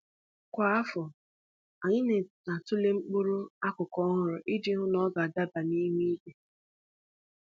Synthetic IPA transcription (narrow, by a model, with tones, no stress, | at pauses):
kʷa˦a˦fɔ˨ | a˨ɲɪ˦ne˨na˨tʊ˦le˦ŋ͡m̩˦k͡po˦ɾo˦a˦kʊ˨kɔ˦ɦʊ˨ɾʊ˨ʔɪ˦dɪ˦ɦʊ˦nɔ˦ɡa˨a˨da˦ba˨ni˦ɦi˦i˦be˨